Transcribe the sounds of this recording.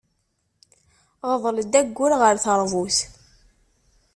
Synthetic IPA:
ʁəðˤləd̪æɡʷːʊɾʁəɾθəɾˤvuθ

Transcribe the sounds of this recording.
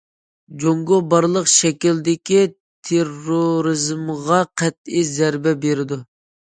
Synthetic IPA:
d͡ʒoŋɡobɑɾlˠəqʃɛkʲild̪ɪkʲi | t̪ʰeroɾɨzmʁɑqʰæt̪̚izæɾbɛbeɾɪd̪u

